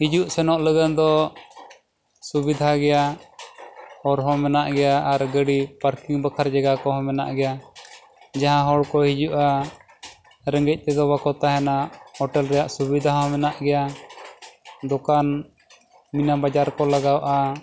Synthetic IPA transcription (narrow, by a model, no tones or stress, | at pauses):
hid͡ʒuʔsɛnɔʔləɡənd̪ɔ | subid̪ʱaɡɛja | ɔɾɦɔ̃mɛnaʔɡɛjaaɾɡəɽipaɾkiŋbakʰaɾd͡ʒaɡakɔɦɔ̃mɛna̰ʔɡɛja | d͡ʒaɦãɦɔɽkɔɦid͡ʒuʔa | ɾɛŋɡɛc̚ˀt̪ɛd̪ɔbakɔt̪aɦɛnaʔhɔʈɛlɾɛjaʔsubid̪ʱaɦɔ̃mɛnaʔɡɛja | d̪ɔkan | minabad͡ʒaɾkɔlaɡawʔa